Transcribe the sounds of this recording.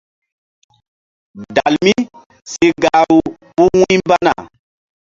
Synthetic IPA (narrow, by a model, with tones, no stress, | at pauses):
da˨lmi˦ | se˦ɡa˨˦ɾu˦ | bu˦wũ˦jmba˦na̰˨